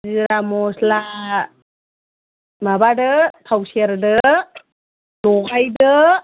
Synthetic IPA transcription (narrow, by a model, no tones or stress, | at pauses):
d͡ʒiɾamɔsla | mabadɯtʰawseɾdɯ | dɔɡajdɯ